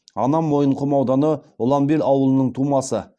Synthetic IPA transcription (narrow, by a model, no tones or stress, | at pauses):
ɑnɑmːo̞jəɴqʰʊmɑwd̪ɑnəʊlˠɑmbelɑwəlˠənəɴt̪ʰumɑsə